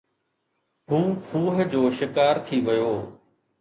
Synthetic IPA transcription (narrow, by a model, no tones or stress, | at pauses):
ɦũːkʰuːɦ̆d͡ʑoːʃɪkaːɾt̪ʰiʋɪjoː